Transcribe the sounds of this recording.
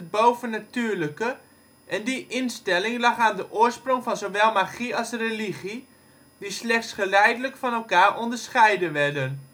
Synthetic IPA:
ət̚bowvənatyːɹləkə | ʔɛndiʔɪnstɛlɪŋlɑχaːndəʔʊəɹsproŋfɑnzowʋɛlˠmaχiɑlˠsreliχi | dislɛχtsχəlɛjdələkfɑnɛlˠkaːrɔndəɹsχɛjdəʋɛɹdən

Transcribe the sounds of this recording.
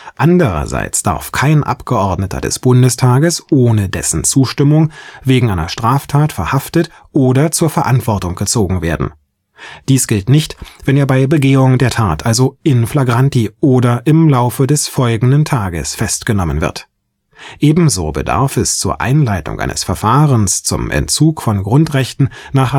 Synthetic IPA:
ʔandəʁɐ̰za̰ɪt͡sd̥a̰ɐfkʰaɪnʔa̰pɡ̥əʔɔɐdnətʰɐ̰dɛ̰sb̥ʊndəstʰaːɡəsʔoːnədɛ̰sn̩t͡suːʃtɪmʊŋveːɡŋ̩ʔaɪnɐʃtʁ̥aːftʰaːtfɛɐhaftət | ʔoːdɐt͡suːɐfɛɐʔantv̥ɔɐtʊŋɡ̥ət͡soːɡŋ̩veːɐdn̩ | d̥iːsɡ̥ɪltnɪçtv̥ɛneːɐbaɪbəɡeːʊŋdeːɐtʰaːtʔalzoɪnflaɡʁantiʔoːdɐʔɪmlaʊfədɛsfɔlɡŋ̩dəntʰaːɡə̰sfɛstɡ̥ənɔmənvɪ̰ɐt | ʔeːbm̩zo̰ːbə̰da̰ɐfɛst͡suːɐʔa̰ɪnlaɪtʊ̰ŋʔa̰ɪnə̰sfɛɐfaːʁənst͡sʊ̰mʔɛ̰ntt͡suːkfɔnɡʁʊntʁɛçtn̩naːχa

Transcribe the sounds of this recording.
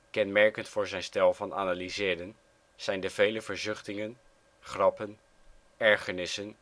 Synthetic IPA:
kɛnmɛɹkəntfʊːɹzɛjnstɛlˠvɑna̰ːnaːlizɪːdən | z̥ɛjndəv̥ejləvəɹzʏχtɪŋən | χrɑpən | ɛɹχənɪsən

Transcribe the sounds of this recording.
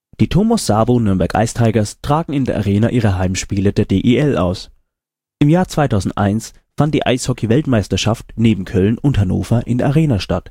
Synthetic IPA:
d̥iːtʰoːmasz̥aːbonʏɐmbɛɐkʔa̰ɪstʰaɪɡɐstʁ̥aːɡŋ̩ɪndeːɐʔa̰ʁeːnaʔiːʁəɦaɪmʃpiːlədeːɐdeːʔeːʔɛlʔa̰ʊs | ʔɪmjaːɐt͡sv̥aɪtʰaʊzn̩tʔa̰ɪns | fant̚d̥iːʔa̰ɪshɔkʰivɛltmaɪstɐʃaftneːbm̩kʰœlnʊnthano̰ːfɐʔɪndeɐʔaʁeːnaʃtat

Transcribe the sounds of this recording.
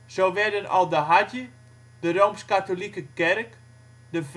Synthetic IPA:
soːʋɛdənɔ̰lˠdəɦatjə | dəroːmskatolikəkɛrk | dəf

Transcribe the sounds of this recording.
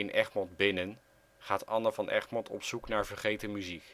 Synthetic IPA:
ɪnʔɛχmɔdbɪnən | χaːtɑnəvɑnʔɛ̰χmɔtʰɔ̰psuknaːɹvəɹχejtəmyzik

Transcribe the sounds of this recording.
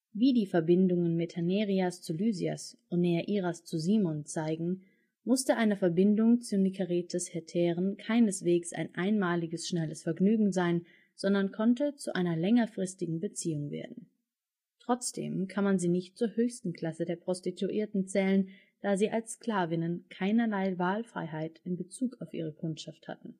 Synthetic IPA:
viːdiːfɛɐbɪndʊŋənmɪthaneːʁiast͡sulyːzia̰sʔʊntneaʔiːʁast͡suziːmɔnt͡saɪɡŋ̩ | mʊstəʔaɪnəfɛɐbɪndʊŋt͡sunikʰaʁitʰəshɛɐtʰɛːʁənkʰaɪnəsv̥eːksʔa̰ɪnʔaɪnmaːlɪɡəsʃnɛləsfɛɐɡnyːɡŋ̩zaɪn | z̥ɔndɐnkʰɔntət͡suʔaɪnɐlɛŋɐfʁ̥ɪstɪɡŋ̩bət͡siːʊŋvḛːɐdn̩ | tʁ̥ɔt͡sd̥ḛːmkʰanmanziːnɪçtt͡suːɐhøːçstn̩kʰl̥asədeːɐpʁ̥ɔstitʰuʔiːɐtn̩t͡sɛːlən | d̥aːziːʔalskl̥aːvɪnənkʰaɪnɐlaɪvaːlfʁ̥a̰ɪɦaɪtɪnbət͡suːkaʊfʔḭːʁ̞əkʰʊntʃaftha̰tn̩

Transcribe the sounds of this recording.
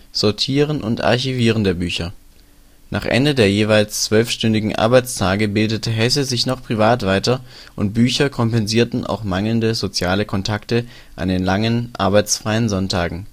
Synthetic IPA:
z̥ɔɐtʰiːʁənʔʊ̰ntʔa̰ɐçiviːʁ̞əndeːɐbyːçɐ | nʔa̰ːχʔɛ̰ndədeːɐjeːvaɪlst͡sv̥œlfʃtʏndɪɡŋ̩ʔa̰ɐbaɪt͡stʰaːɡəbɪldətʰəɦɛsəzɪçnɔχpʁ̥ivaːtv̥aɪtɐʔʊnt̚b̥yːçɐkʰɔmpɛnziːɐtn̩a̰ʊxmaŋl̩ndəzot͡sjaːləkʰɔntʰaktə | ʔa̰ndeːnlaŋənʔa̰ɐbaɪt͡sfʁ̥aɪənzɔntʰaːɡŋ̩

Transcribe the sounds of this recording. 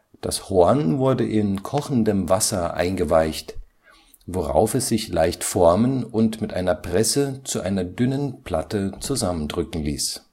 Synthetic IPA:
d̥a̰shoɐnvʊɐdəʔɪnkʰɔχn̩dəmvasɐʔa̰ɪnɡəvaɪçt | voʁa̰ʊfɛsz̥ɪçlaɪçtfɔɐmənʊntmɪtʔa̰ɪnɐpʁ̥ɛsət͡suʔaɪnɐdʏnənpʰl̥atət͡suzaməndʁʏkŋ̩lḭːs

